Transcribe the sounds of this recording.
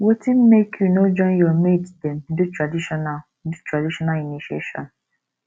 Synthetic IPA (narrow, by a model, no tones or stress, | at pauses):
wɔtĩnmekʰjunod͡ʒɔ̃njɔmeddɛ̃ndutɹadiʃɔna | dutɹadiʃɔnaliniʃieʃɔ̰̃n